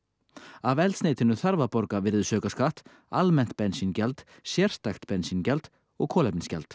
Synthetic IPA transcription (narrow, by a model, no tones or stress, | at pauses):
avɛlt̪sneːjt̪ɪnʏθaɾvapɔɾkavɪɾðʏsœːkaskaht̪ | almɛn̥t̪̚pɛnsincɛlt̪ | sjɛr̥st̪axt̪pɛnsincɛlt̪ | ɔɣkʰɔːlɛpnɪnscɛ̰lt̪